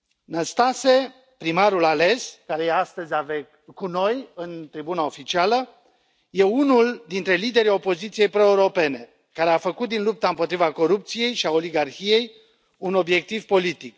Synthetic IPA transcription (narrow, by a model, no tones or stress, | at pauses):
nəst̪ase̞ | pɾimaɾulale̞skaɾe̞jeast̪əzʲavek | kuno̞jɨnt̪ɾibunao̞fit͡ʃialə | je̞unuld̪int̪ɾe̞lid̪e̞ɾio̞po̞zit̪sije̞jpɾo̞ewɾo̞pe̞ne̞ | kaɾe̞afəkut̪̚d̪inlup̚t̪aɨmpot̪ɾivako̞ɾup̚t̪sije̞jʃiao̞liɡarçije̞j | uno̞bje̞k̚t̪ivpo̞lit̪ik